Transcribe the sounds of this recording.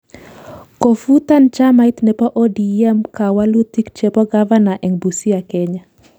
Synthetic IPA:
ko˨fu˦t̪a˦nt͡ʃa˦mait̪nɛ˨pɔ˦ʔo˦di˨ɛ˦mka˨wa˦lu˦t̪i˦kt͡ʃepɔ˦ɡava˦na˨ʔɛ˨ŋbu˨si˦a˨kɛ˦ɲa˨

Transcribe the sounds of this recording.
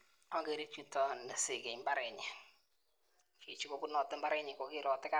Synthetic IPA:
ɔ˦ŋɡe˦ɾe˦t͡ʃu˦tɔ˨ndɛ˨sɪ˨ɡe˨mba˦ɾɛ˨ɲɪ˨ | ki˨t͡ʃu˦kɔ˦ku˦nɔ˨tɪ˦mba˦ɾɛ˦ɲɪ˨kɔ˨kɪ˦ɾɔ˨tɪ˦ka˦

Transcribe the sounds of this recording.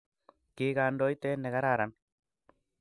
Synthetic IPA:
kɪɡa˨ndo˦jt̪e˦nɛ˨ɣa˦ɾa˨ɾa˦n

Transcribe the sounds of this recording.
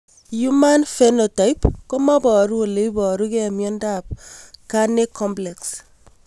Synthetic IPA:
ju˦ma˦nfe˦no˨ta˨i˦pko˦mɔ˦bɔ˨ɾu˦o˨le˨i˦bɔ˨ɾu˦ke˦˨mjɔ˦nda˦˨p̚ka˦ne˦kʰɔ˦mplɛ˨ks

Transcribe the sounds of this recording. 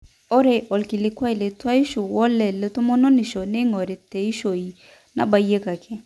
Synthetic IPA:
ɔ˦ɾe˨ʔɔ˨lkɪ˨lɪ˨˦kwa˦i˨le˨ta˦i˦ʃo˨wɔ˦lɛ˨le˨˦to˦mɔ˦no˦nɪ˨ʃo˨ne˦ŋɔ˨ɾe˨tɛ˨i˦ʃo˨i˨ | na̰˨ba˨je˦ka˨kʰɛ˦

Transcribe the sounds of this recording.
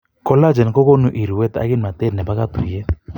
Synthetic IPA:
kɔ˦la˦d͡ʒɛ˨nkɔ˦kɔ˦nu˦ʔi˨ɾu˨wɛ˦t̪a̰˦ɡɪ˦nma˨te˦nɛ˨pa˦ka˦t̪u˨jɛ˦

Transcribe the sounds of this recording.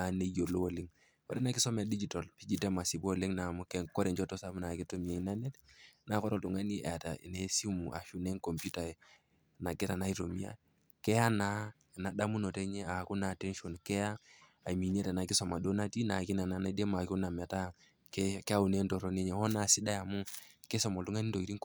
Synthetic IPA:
a˨ne˦jo˨lo˦o˨li˦ŋ | kɔ̰˦ɾɛ˦na˨˦ki˦sɔ˦mɛ˨di˦d͡ʒi˨ta˨lpi˦d͡ʒi˨te˦ma˨si˨bo˨li˦ŋna˨mu˦kɛ˨ŋkɔ˦ɾɛ˨nt͡ʃɔ˦tɔ˦sa˦m˦na˨ki˦to˦mi˨a˨i˦na˦ne˦tna˨˦kɔ˦ɾɔ˦tu˨ŋa˦ni˦ḛ˨a˨ta̰˨ḭ˨ne˦si˦mu˨ʔa̰˨ʃu˦ne˦ŋko˨mpu˦ta˨ɛ˨ | na˨kɛ˦ta˨na˦i˦ɾo˨mi˦a̰˦ | kɛ˦ja˦na˨˦˨ | na˨da˦mu˦nɔ˨tɛ˦ɲɛ˦a˨ku˦na˨tɛ˦nʃɔ˨nkɛ˦ja˦ | a˨mi˨ɲɛ˦ta˨na˨ki˦sɔ˨ma˨do˦na˦ti˦na˨ki˦na˨na˨na˦de˦ma˨ku˦na˨mɛ˨ta˦ | kɛkɛ˦a˦u˨ne˦ntɔ˨ɾɔ˨ne˦ɲɛ˨hɔ˦na˨si˦da˦ja˨mu˦kɛ˦sɔ˨mɔ˨ltu˦ŋa˦ni˦nto˨i˨ɾi˦ŋk

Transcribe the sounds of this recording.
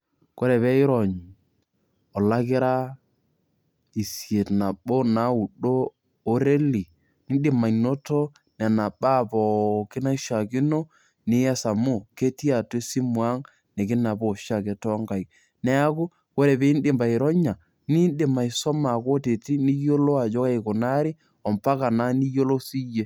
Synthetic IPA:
ko˦ɾe˨βɛ˦ɪ˦ɾɔ˨ɲ˨ | ɔ˨la˦kɪ˦ɾa˦ | i˨sje˨tna˨ɓo˦na˨˦u˨ɗoː˦ | ɾe˦li˨ | nɪ˦dɪ˦ma˨ino˦to˦ | nɛ˨na˨ba˦˨pɔ˨kɪ˦na˦ʃa˨kɪ˦no˦ | nɪ˦a˦sa˨mu˦˨ke˦ti˦a˨te˦si˦mwa˦ŋ | nɛ˨kɪ˦na˨bɔ˦˨ʃa˦˨ke˨tɔː˦ŋɡa˨i˨ | nɛ˦a˦ku˦ | ko˦ɾe˨be˦i˦n˦dɪ˨mba˨i˨ɾɔ˦ɲa˨ | ni˦ndɪ˨ma˨i˨sɔ˦ma˨ko˦te˨ti˦ni˦jo˦lo˦a˨d͡ʒɔ˦ka˦i˨kʊ˨na˦ɾi˦ | ɔ˨mpa˦ka˨na˦ni˦jo˦lo˦si˦je˦

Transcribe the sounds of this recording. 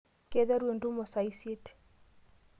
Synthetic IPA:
ke˦ðɛ˦ɾwe˨ndu˦mɔ˨sa˨ise˦t

